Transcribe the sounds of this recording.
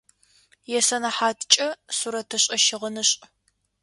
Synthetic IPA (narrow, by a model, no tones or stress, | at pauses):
jɛsɐnɐħaːtʰt͡ʃʼɐsuɾɐtʰɐɕʼɐʃɪʁənɨɕʼ